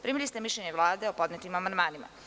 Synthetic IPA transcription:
pɾimilist̪e̞miʃʎeɲeʋlˠaːd̪eopo̞d̪net̪imamand̪maːnima̰

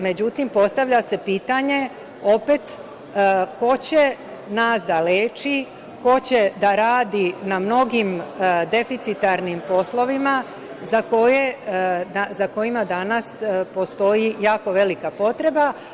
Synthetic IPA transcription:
me̞d͡ʑut̪impo̞st̪aʋʎase̞piːt̪aɲe̞ | o̞pet̪ː | ko̞t͡ɕe̞ | naːsd̪aleːt͡ʃi | ko̞t͡ɕe̞d̪aɾaːd̪inamno̞ɡimd̪e̞fit̪sit̪aɾnimpo̞slo̞ʋima | zako̞jed̪azako̞imad̪anaspo̞st̪o̞jijaːko̞ʋe̞likapo̞t̪ɾe̞ba

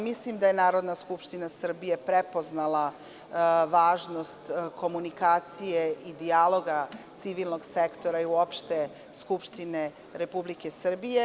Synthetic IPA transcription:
mislimd̪aje̞naːɾo̞d̪naskupʃt̪inasr̩bije̞pɾepoznalˠa | ʋaːʒno̞st̪ko̞munikaːt̪sijeʔid̪ialˠo̞ɡat̪siʋilˠno̞ɡsekt̪o̞ɾaiuopʃt̪e̞ | skupʃt̪ine̞ | ɾe̞publike̞sr̩bije

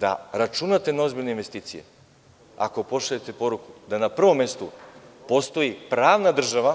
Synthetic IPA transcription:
d̪a̰ɾat͡ʃunat̪e̞nao̞zbiʎʲneinʋe̞st̪iːt̪sije̞̰ | a̰ko̞po̞ʃaʎet̪e̞po̞ɾukud̪anapr̩ʋo̞mːe̞st̪upo̞st̪o̞jipɾaːʋnad̪r̩ʒaʋa

